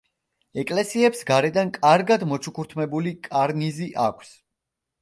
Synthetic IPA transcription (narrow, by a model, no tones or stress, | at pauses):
ɛkʼlɛsiɛpsɡaɾɛd̪ankʼaɾɡad̪mɔt͡ʃʰukʰuɾt̪ʰmɛbulikʼaɾniziʔakʷʰs